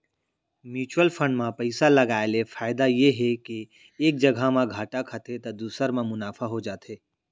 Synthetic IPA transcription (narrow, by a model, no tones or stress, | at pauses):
mjuːt͡ʃwəlpʰə̃ɳɖmãpəɪsaləɡaːelefʰaːɪd̪ajeɦeke | eːk̚d͡ʒəɡʱamãɡʱaːʈakʰət̪et̪ɐd̪uːsəɾmẽmʊnaːfʰaɦod͡ʒaːt̪ʰeː